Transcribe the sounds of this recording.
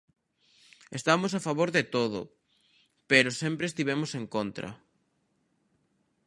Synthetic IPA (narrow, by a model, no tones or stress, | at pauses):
est̪amos̬afaβoɾðet̪oðʊ̰ | peɾosẽmpɾest̪iβ̞emosẽŋkont̪ɾɐ̰